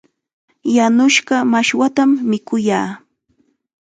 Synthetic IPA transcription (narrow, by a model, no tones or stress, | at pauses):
janʊʃɢɑmaʃwat̪amːɪkʊjaː